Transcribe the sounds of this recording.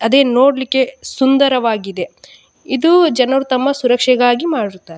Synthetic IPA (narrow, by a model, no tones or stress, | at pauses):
ɐd̪e̞ːnoːɽlikːe̞sund̪ɐɾɐʋaːɡid̪e̞ | id̪ud͡ʒɐnɐɾut̪ɐmːɐsuɾɐkʂɛɡaːɡimaːɽiɾut̪ːaːɾe